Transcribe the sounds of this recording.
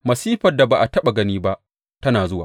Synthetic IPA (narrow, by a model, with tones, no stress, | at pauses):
mɐ˨siː˦ɸɐ˨da˨baː˨ʔa˨tɐ˦ɓa˨ɡɐ˦niː˦ba˦ʔ | tɐ˦naː˨zʊ˦waː˨